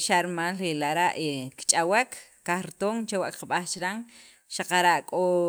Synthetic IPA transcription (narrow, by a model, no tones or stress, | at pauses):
ʃaʔɾimalɾilaʔɾaʔekt͡ʃʼawekʰkaχɾit̪oŋt͡ʃawaʔkqaɓaχt͡ʃɾaŋ | ʃaqaɾaʔkʼo